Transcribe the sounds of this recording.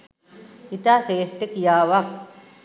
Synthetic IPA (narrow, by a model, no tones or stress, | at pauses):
it̪aseːst̪ekjaːʋɐk̚